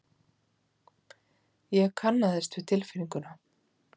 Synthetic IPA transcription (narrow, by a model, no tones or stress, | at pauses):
jɛɣkʰanːaðɛst̪vɪðt̪ʰɪlfɪɾiŋkʏna